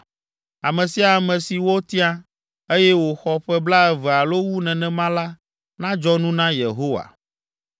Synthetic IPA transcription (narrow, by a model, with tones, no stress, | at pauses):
a˨mɛ̃˨si˨a˨mɛ̃˨si˨wo˦t̪i˦a˦ | e˦jɛ˦wo˨xɔ˦ɸɛ˦bla˦ɛ˦vɛ˨a˨lo˦wu˦nɛ̃˨nɛ̃˨mã˦la˦ | nã˦d͡ʒɔ˦nũ˦nã˦je˨ɦo˦wa̰˨